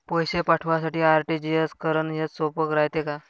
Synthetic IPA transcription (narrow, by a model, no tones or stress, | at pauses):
pɔjɕepaʈʰʋas̬aʈiːaɾʈid͡ʑieskəɾənɦesopəkɾajt̪eka